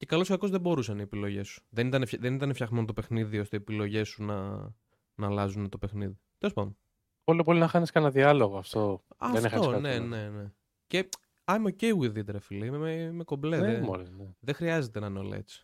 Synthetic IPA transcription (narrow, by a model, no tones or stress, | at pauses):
ce̞kɐlo̞sɐko̞zðebo̞ɾusɐniepilo̞ʝe̞su̥ðenit̪ɐnefçðe̞nit̪ɐnefçɐɣme̞not̪o̞pe̞xniðio̞st̪eiːepilo̞ʝe̞sunɐ̰ | nɐlɐzunet̪o̞pexniðit̪elospɐno | polipolinɐxɐniskɐnɐðiɐloɣoɐft̪o̞ɐ̰ðnixɐosne̞ne̞ne̞ | ce̞ | ɐmoceiwiðiet̪e̞ɾɐfilimemeko̞bleðemolneðexɾiɐze̞t̪enɐineo̞lɐ̰ḛt͡si̥